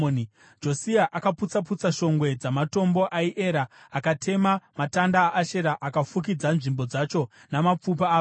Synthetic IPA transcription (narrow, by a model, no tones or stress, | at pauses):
on | d͡ʒo̞siaʔakaput͡sap̬ut͡saʃo̞ŋɡwe̞d͡zamato̞mbo̞ʔaiʔe̞ːɾaː | katʰe̞mamatandaːʔːʃeɾaʔakafuk̬id͡zanʐimbo̞d͡zat͡ʃo̞ | namap͡fup̬aː